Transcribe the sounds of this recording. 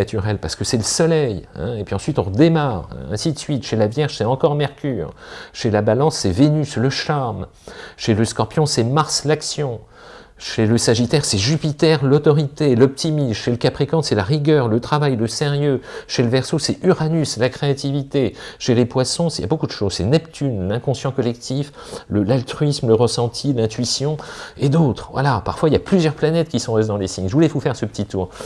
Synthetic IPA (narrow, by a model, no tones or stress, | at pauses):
at̪yʁɛlpaʁsə̥kəsɛləsɔlɛjɛ̰̃epɥiɑ̃sɥit̪ɔ̃ʁəd̪emaːʁ̰ɛ̰̃sid̪əsɥit̪ʃelavjɛʁʒ̥sɛɑ̃kɔʁmɛʁkʲyːʁʃelabalɑ̃sːɛvenysləʃaʁm | ʃeləskɔʁpjɔ̃sɛmaʁslaksjɔ̃ | ʃeləsaʒit̪ɛʁsɛʒypit̪ɛʁlɔt̪ɔʁit̪elɔp̚t̪ʰimisʃeləkʲapχikɑ̃sɛlaʁiɡʲœʁlət̪χavajləseʁjøʃeləvɛʁsosɛyʁanyslakχeat̪ivit̪eʃelepwasɔ̃sḭja̰bokud̪əʃozsɛnɛpt̪ynlɛ̃kɔ̃sjɑ̃kɔlɛkt̪ʰif | ləlalt̪χɥismləʁəsɑ̃t̪ʰilɛ̃t̪ɥisjɔ̃ed̪ot̪χvwa̰lapaʁfwailjaplyzjœʁplanɛt̪kʲisɔ̃ʁɛzed̪ɑ̃lesiɲʒəvulɛvufɛʁsəpə̥t̪it̪uːʁ